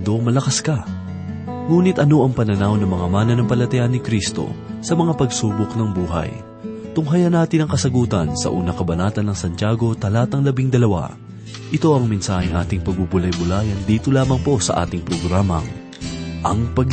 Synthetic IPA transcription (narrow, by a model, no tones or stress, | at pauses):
d̪omɐlɐkɐskɐ | ŋuːnɪt̪ʔɐno̞ʔɐŋpɐnɐnawnɐŋmɐŋamaːnɐnɐŋpɐlɐt̪ɐjanːɪkɾist̪o̞̰sɐmɐŋapɐɡsuːbʊknɐŋbuːɦɐ̰j | t̪ʊŋɦɐjɐnaːt̪ɪnɐŋkɐsɐɡuːt̪ɐnsɐ̰ʔṵːnɐkɐbɐnaːt̪ɐnːɐŋsɐnt̪jaːɡo̞t̪ɐlaːt̪ɐŋlɐbiŋd̪ɐlɐwa̰ | ʔɪt̪o̞ʔɐŋmɪnsaːhɪŋʔa̰ːt̪ɪŋpɐɡ̚bubʊlɐjbʊlaːjɐnd̪iːt̪olaːmɐŋpo̞sɐ̰ʔa̰ːt̪ɪŋpɾoɡɾaːmɐ̰ŋ | ʔɐŋpɐɡ